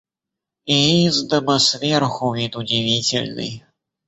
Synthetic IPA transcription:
iizd̪əməsvʲerxʊvʲit̪ʊdʲɪvʲitʲɪ̰lʲnɨ̰j

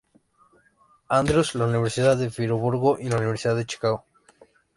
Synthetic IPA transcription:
and̪ɾuslauniβe̞ɾsiðaðefiɾoβuɾɣoʔilauniβ̞e̞ɾsiðaðet͡ʃi̥kaɣo

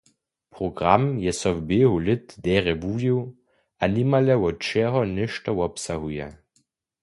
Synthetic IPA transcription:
pʁɔɡʁamjɛsɔwbeɦulɪt̪dɛːʁɛbuːjiw | ʔanimalɛwɔt͡ʃɛɦɔnɪʃtɔwɔpsaɦujɛ̰

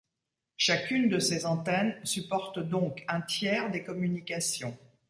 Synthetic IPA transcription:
ʃakʲynd̪əsezɑ̃t̪ɛnsypɔʁt̪d̪ɔ̃kɛ̃t̪jɛʁd̪ekɔmynikasjɔ̃

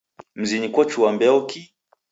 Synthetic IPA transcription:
m̩zinikwɔt͡ʃuwambɛɔki

